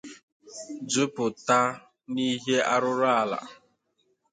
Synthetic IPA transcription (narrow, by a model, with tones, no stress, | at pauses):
d͡ʒʊ˦pʊ˨ta˦ | ni˦ɦe˦a˦ɾʊ˦ɾʊ˦a˦la̰˨